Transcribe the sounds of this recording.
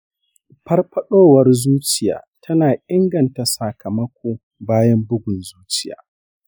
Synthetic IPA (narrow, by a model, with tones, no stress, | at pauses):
pɐ˦rɸɐ˦ɗoː˦wɐ˦rzuː˦t͡ʃɪ˨ja̰ː˨tʰɐ˦naː˨ʔɪ˦ŋɡɐ˨nta˨sa˨kʰɐ˨mɐ˦kʷʰoː˦ | baː˦jɐ˦mbʊ˦ɡʷʊ˨nzuː˦t͡ʃɪ̥˦ja̰ː˨